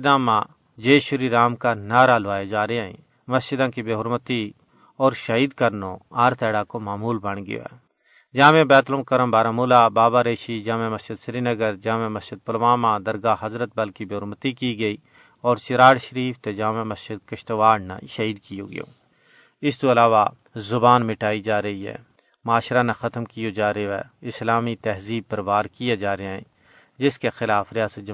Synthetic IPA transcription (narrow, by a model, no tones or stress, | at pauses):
d̪ãːmãː | d͡ʒeːʃʊɾiɾaːmkanaːɾalʋaːjed͡ʒaːɾeãːḭ̃ː | mɐst͡ʃɪd̪ãːkibeːɦʊɾmət̪i | ɔːɾʃəɦiːd̪kɐɾnõaːɾt̪ʰɛːɽaːkomaːmuːlbɐɽ̃ɡɪ̰jo̰ːɦɛ̰ː | d͡ʒãːmẽbɛːt̪lomkɐɾəmbaːɾãmʊːlaːbaːbaːɾeːʃid͡ʒãːmẽmɐsd͡ʒɪd̪sɪɾiːnəɡəɾd͡ʒãːmẽmɐsɪd̪̚pɐlʋaːmãːd̪ɐɾɡaːɦɐzɾət̪̚bɐlkibeːɦʊɾmət̪ikiɡəiː | ɔːɾt͡ʃɪɾaːɽʃəɾiːft̪ed͡ʒaːmemɐsɪd̪kɐʃt̪oʋaːɽna̰ʃɐɦiːd̪kijo̰ːɡɪ̰jo̰ː | ɪst̪oɐlaːʋa | zʊbaːnmɪʈaːid͡ʒaːɾɐɦiɦɛ̰ː | maːʃɾanaxɐt̪mkijod͡ʒaːɾoɛ̰ɪslaːmit̪ɛɦziːb̚pɐɾʋaːɾkijad͡ʒaːɾɐaɦɛ̰̃ | d͡ʒɪskexɪlaːfɾɪjaːsət̪̚d͡ʒ